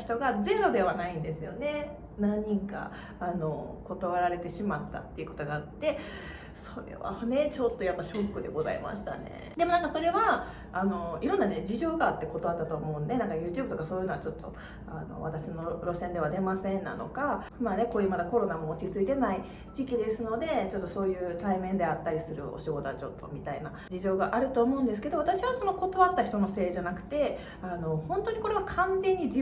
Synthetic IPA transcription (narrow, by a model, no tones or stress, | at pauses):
çi̥t̪o̞ɡazẽ̞ɾo̞d̪e̞βanaĩnd̪e̞sɨjo̞̰ne̞ | nãɲ̟ːĩŋka̰ | ano̞ko̞t̪oβaɾaɾe̞t̪e̞ɕimat̪ːa̰t̪ːe̞iɯ̟ko̞t̪o̞ɡaːt̪ːe̞ | soɾe̞̰βa̰ne̞t͡ɕo̞t̪ːo̞japːaɕo̞kːɯ̟d̪e̞̰ɡo̞za̰ḛma̰ɕi̥t̪a̰nḛd̪e̞mo̞naŋkaso̞ɾe̞βaː | no̞iɾõ̞nːaned͡ʑiʑo̞ːɡaːt̪ːe̞ko̞t̪o̞βat̪ːat̪o̞ːmo̞ɯ̃nd̪e̞nãŋkajɯ̟ːt͡ɕɨːbt̪okaso̞ːjɯːnoat͡ɕo̞t̪ːo̞̰ | a̰no̞̰βa̰t̪aɕino̞ɾo̞sẽ̞nd̪e̞β̞ad̪e̞masẽ̞nːa̰no̞̰ka | mane̞koːjɯ̟ːmad̪ako̞ɾo̞namo̞ːt͡ɕit͡sɨit̪e̞nai | ʑikʲid̪e̞sɨno̞d̪e̞t͡ɕo̞t̪ːo̞so̞ːjɯ̟ːt̪aimẽ̞nd̪e̞at̪ːaɾʲisɨɾɯ̟̰o̞̰ɕiɡo̞t̪at͡ɕo̞t̪ːo̞̰mʲit̪aina | d͡ʑiʑo̞ːɡaʔaɾɯ̟t̪o̞ːmo̞ɯ̟̃nd̪esɨ̥ke̞d̪o̞βat̪aɕiβaso̞no̞ko̞t̪o̞βat̪ːaçi̥t̪o̞no̞se̞ːʑanakɯ̟̥t̪e̞ | ano̞hõ̞nt̪o̞ɲ̟iko̞ɾe̞βakʰãnzẽ̞ɲ̟ːid͡ʑi